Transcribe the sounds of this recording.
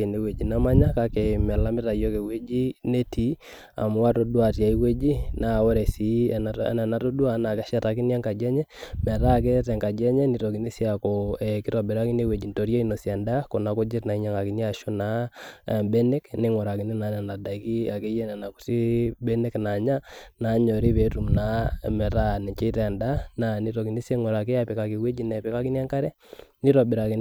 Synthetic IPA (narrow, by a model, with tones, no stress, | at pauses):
e˨ne˦we˨d͡ʒi˨na˦ma˦ɲa˦ka˦kɛ˨mɛ˨la˦mɪ˦ɾa˨jo˦ke˨we˦d͡ʒi˦ne˦ti˨˦ | a̰˨m˦wa˦to˦dwa˨ta˨i˦we˦d͡ʒi˦na˨wɔ˦ɾɛ˨si˨nɛ˨na˨to˦du˦a˦na˨kɛ˦ʃa˦ta˨ki˦n˦a˦ŋka˨d͡ʒɛ˦ɲɛ˦mɛ˨ɾa˦˨k̬ɛ˦tɛ˨ŋka˨d͡ʒɛ˦ɲɛ˦ni˨to˨ki˨ni˦sja˨kɔɛ˨ki˦tɔ˨bɛ˨ɾa˦ki˦ne˦we˨d͡ʒi˨nto˨ɾje˦i˦no˨sja˨nda˦ko˨na˨kɔ˦d͡ʒɪ˦tna˨i˦ɲa˦ŋa˨ki˨ni˦a˨ʃo˦na˨ | bɛ˦ne˦knɪ˦ŋɔ˨ɾa˨ki˦ni˦na˨ɲa˨na˨da˨i˨ki˦a˨ke˦jɛ˦na˨na˨ku̥˨ti˦bɛ˦ne˦kna˨ɲa˦na˨˦ɲɔ˨ɾi˦βɛ˨˦tu˨mna˨˦mɛ˨ɾa˦nɛ˨t͡ʃe˦tɛ˨nda˦na˨ni˨˦to˨ki˨ni˦sje˦ŋwɔ˨ɾa˨ke˦a˨pe˨ka˨ki˨we˦d͡ʒi˦nɛ˨pɛ˦ka˦ki˦n˦a˦ŋka˦ɾɛ˦ | ni˦ɾɔ˨bɪ˨ɾa˨ki˨n